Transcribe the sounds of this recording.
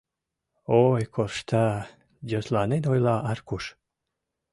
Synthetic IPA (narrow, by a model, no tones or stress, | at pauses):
ojkʰorʃt̪ʰɑ | doslɑnenojlɑɑrkuʃ